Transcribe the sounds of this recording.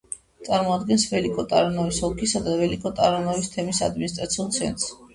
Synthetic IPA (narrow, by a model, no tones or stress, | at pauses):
t̪sʼaɾmɔad̪ɡɛnsvɛlikʼɔt̪ʼa̰ɾɔnɔvisɔkʰisad̪avɛlikʼɔt̪ʼaɾɔnɔvist̪ʰɛmisad̪minist̪ʼɾat̪sʰiulˠt̪sʰɛ̰nt̪ʼs